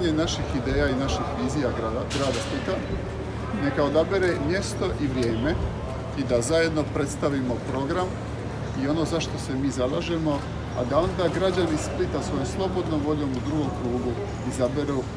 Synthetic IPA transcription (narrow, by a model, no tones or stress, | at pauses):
ɲenaʃixid̪eːjainaʃixʋiːzijaɡaɡɾaːd̪asplit̪a | ne̞kao̞d̪abeɾemje̞st̪o̞ʔiʋɾje̞ːme̞ | id̪azaje̞d̪no̞pɾe̞t̪st̪aʋimo̞pɾo̞ɡɾam | io̞no̞zaʃt̪o̞se̞miːzalaʒe̞mo̞ | a̰d̪ao̞nd̪aɡɾad͡ʑanisplit̪asʋo̞jomslˠo̞bo̞d̪nomʋo̞ʎo̞ːmud̪ɾuɡo̞mkɾuːɡu | izabeɾu